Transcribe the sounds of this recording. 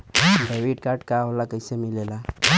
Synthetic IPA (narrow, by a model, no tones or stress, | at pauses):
beʋiʈkaɾʈkaɦolakəɪsemilela